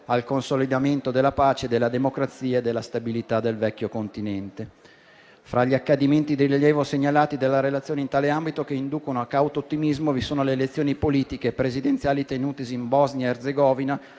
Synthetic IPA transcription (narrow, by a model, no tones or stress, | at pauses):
alkonsolid̪ament̪od̪elːapaːt͡ʃed̪elːad̪emokɾat̪siːaed̪ːelːast̪abilit̪ad̪elvɛkʲːjokont̪inɛnt̪e | fɾaʎːiakːad̪iment̪id̪ejriʎjɛːvoseɲːalaːt̪id̪elːaɾelat̪sːjoːneint̪aːleambit̪ok̟eind̪uːkonoakːawt̪oːt̪ːimizmovisoːnoleːlet̪sːjoːnipoliːt̪ikepɾezid̪ent̪sjaːlit̪enuːt̪esimbɔznjaerd̪zeɡɔːvina